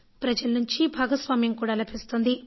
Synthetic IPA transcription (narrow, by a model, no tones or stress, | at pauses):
pɾɐd͡ʒɐlɐnuɲt͡ʃibʱaːɡɐsʋaːmjɐŋkuːɽaːlɐbʰʱist̪oːnd̪i